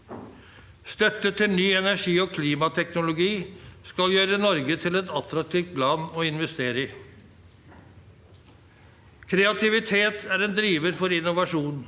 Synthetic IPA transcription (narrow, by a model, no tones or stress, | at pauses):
st̪œt̪ːət̪ʰɪlnyːɛnæʂiːoːkʰliːmɑt̪ʰɛknʊlʊɡiːskɑljøːɾənɔɾɡət̪ʰɪlɛt̪ɑt̪ɾɑk̚t̪ʰɪft̪̚pʰlɑːnoːɪnʋɛst̪eːɾəɪ | kʰɾɛɑt̪ʰɪʋɪt̪ʰeːt̪ʰæɾɛːnd̪ɾiːʋəɾfɔɾɪnʊʋɑʂuːn